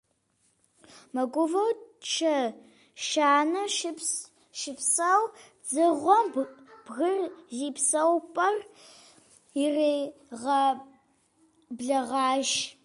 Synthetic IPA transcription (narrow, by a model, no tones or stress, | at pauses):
mɐɡʷʊvɐwt͡ʃʰɐ | ʃaːnɐp | ʃɪpsɐw | d͡zɨʁʷɔmb̥ɣɨrziːpsɐwpʼɐr | ireː | ʁɐ | bɮɐʁɑːʃ